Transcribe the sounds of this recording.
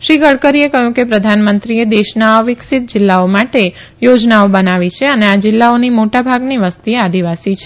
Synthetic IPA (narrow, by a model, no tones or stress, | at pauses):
ʃiɡəɭkəɾiekəɦjũkepɾəd̪ʱanmənt̪ɾied̪eʃnaəʋɪksɪt̪̚d͡ʒɪlːaomaʈe | jod͡ʒnaobənaʋit͡ʃʰeənead͡ʒɪlːaonimoʈabʱaɡniʋəst̪iead̪iʋasit͡ʃʰe